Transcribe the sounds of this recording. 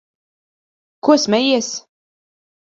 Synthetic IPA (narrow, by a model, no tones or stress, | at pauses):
kuɔsmɛjiɛs